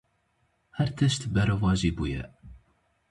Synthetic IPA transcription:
hɛɾt̪ʰɨʃt̪bɛɾɐvɑːʒiːbṵːjɛ̰

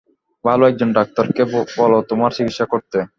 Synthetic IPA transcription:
bʱaloɛɡ̚d͡ʑonɖak̚t̪ɔɾkebɔlot̪umaɾsiɡiʃakoɾt̪e

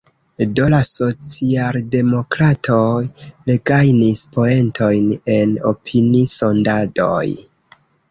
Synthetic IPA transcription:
do̞laso̞t͡sialde̞mo̞kɾatʰo̞jliɡajnispo̞e̞ntʰo̞jne̞no̞pʰiniso̞ndado̞̰j

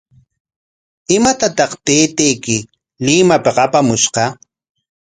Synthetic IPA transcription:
ɪmat̪at̪ɑχt̪eːt̪ejkɪ | lɪmapeqapamʊʃqɑ

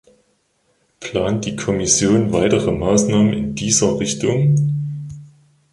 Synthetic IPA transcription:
pʰl̥aːnt̚d̥iːkʰɔmɪsjoːnvaɪtəʁəmaːsnaːmənɪ̰ndiːzɐʁɪçtʊŋ

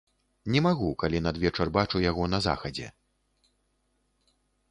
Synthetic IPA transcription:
nʲɛmaɣukalʲinɐd̪vʲɛt͡ʂɐrbat͡ʂujaɣɔn̪ɐza̰xɐd͡zʲɛ̰

